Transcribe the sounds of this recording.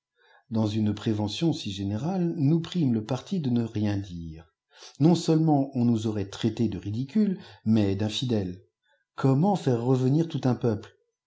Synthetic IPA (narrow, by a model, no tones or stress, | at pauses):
d̪ɑ̃zynpχevɑ̃sjɔ̃siʒeneʁalnupχimləpaʁt̪ʰid̪ənəʁjɛ̃d̪iːʁ | nɔ̃səlmɑ̃ɔ̃nuzɔʁɛt̪χɛt̪ed̪əʁid̪ikʲylmɛd̪ɛ̃fid̪ɛl | kʰɔmɑ̃fɛʁːəvəniʁt̪ut̪ɛ̃pœpl